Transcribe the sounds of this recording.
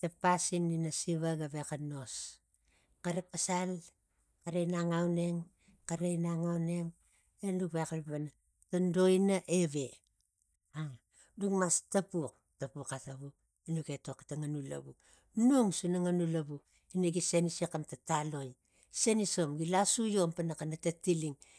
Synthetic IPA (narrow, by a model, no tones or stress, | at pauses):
tapasinːinasiβaɡaβekanos | kaɾapasal | kaɾejnaŋawne̞ŋ | kaɾejnaŋawne̞ŋ | endukβekalβana | tando̞inaʔe̞βe̞ | aŋ | duŋmastapuk̚ | tapukataβu | inuɡeto̞kḁtaŋanula̰bu | noŋsunaŋanulabu | inaɡisenisekamtatalo̞j | seniso̞mɡilasujompanakanatatiliŋ